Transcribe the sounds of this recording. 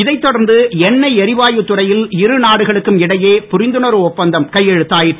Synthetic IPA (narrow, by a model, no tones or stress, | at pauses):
ɪðɐɪt̪ːɔɽɐɾnd̪ɯɛnːɐɪɛɾɪʋaːjɯt̪ːʊrɐjɪlɪɾɯnaːɽɯɣɐɭɯkːɯmɪɽɐjeːpʊɾɪnd̪ɯnɐɾɯɔpːɐnd̪ɐmkɐjːɛɻɯt̪ːaːjɪ